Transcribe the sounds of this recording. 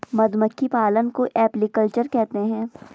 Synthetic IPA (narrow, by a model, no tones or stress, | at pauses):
mɐd̪məkʰːipaːlənkoʔɛːplikəlt͡ʃəɾkɛɦt̪eɦɛ̃ː